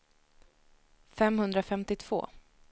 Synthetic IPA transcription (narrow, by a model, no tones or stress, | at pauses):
fɛmhɵnd̪ɾafɛmt̪ɪt̪ʰv̥o̰ː